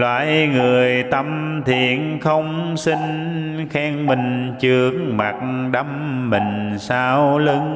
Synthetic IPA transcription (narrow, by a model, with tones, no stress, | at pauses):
lwa̰ː˧˨jŋɨ˨˩əjt̪ə˧mt̪ʰi˧˨ənxə˧wŋ͡msi˧ŋ̟xɛː˧ŋmï˨˩ŋ̟t͡ɕɨ˨˩əŋma˨˩t̚ɗə˧˦mːï˨˩ŋ̟saː˧wlɨ˨˧˦ŋ